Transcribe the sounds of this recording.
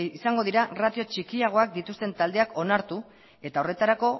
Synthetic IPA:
isaŋɡo̞ðiɾarat̪io̞t͡ʃikiaɣ̞o̞ak̚d̪it̪ust̪e̞nt̪ald̪e̞ako̞naɾt̪u | e̞t̪ao̞re̞t̪aɾako̞

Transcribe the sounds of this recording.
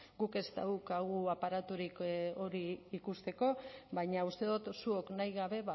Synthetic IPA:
ɡuke̞st̪a̰ukaɣuapaɾat̪uɾiko̞ɾiːkust̪e̞ko̞βajɲaust̪e̞ðut̪suo̞knajɣaβe̞βa

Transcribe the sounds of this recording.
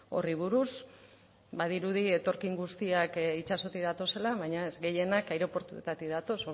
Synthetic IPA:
o̞̰riβ̞uɾus | baðiɾuðie̞t̪o̞ɾkiŋɡust̪iakit͡ʃaso̞t̪iðat̪o̞se̞laβajɲae̞zɡe̞je̞nakajɾo̞po̞ɾt̪ut̪at̪iðat̪o̞so

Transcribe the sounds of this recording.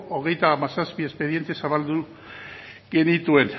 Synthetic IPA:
oɣ̞e̞jt̪aːmasaspie̞spe̞ð̞je̞nt̪esaβald̪u | ɡe̞nit̪ue̞n

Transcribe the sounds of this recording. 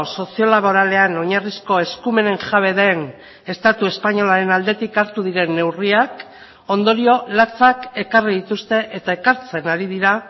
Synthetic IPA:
so̞sio̞laβo̞ɾale̞ano̞ɲarisko̞e̞skume̞ne̞ŋʝaβ̞e̞ðen | e̞st̪at̪ue̞spaɲo̞laɾe̞nald̪e̞t̪ikaɾt̪uð̞iɾe̞nːe̞wriak | o̞nd̪o̞ɾio̞lat͡sake̞kariðit̪ust̪e̞ʔet̪ae̞kaɾt͡se̞naɾið̞iɾa

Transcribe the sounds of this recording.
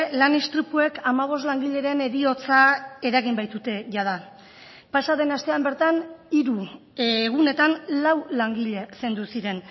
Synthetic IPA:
lanist̪ɾipue̞kamaβ̞o̞s̬t̪laŋɡiʎe̞ɾe̞ne̞ɾio̞t͡sae̞ɾaɣ̞imbajt̪ut̪e̞ʝað̞a | pasað̞e̞nast̪e̞ambe̞ɾt̪aniɾu | ɣ̞une̞t̪anlawlaŋɡiʎe̞se̞nd̪usiɾe̞n

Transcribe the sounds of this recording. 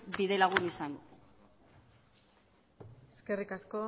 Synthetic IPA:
biðe̞laɣ̞unisaŋ | eske̞rikasko̞

